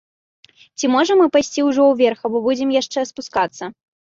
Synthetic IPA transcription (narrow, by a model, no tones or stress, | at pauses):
t͡sʲimɔʐɐmɨpajsʲt͡sʲiwʐɔwvʲɛrxɐbɔbud͡zʲɪmjaʂt͡ʂɛspuskat̪sːɐ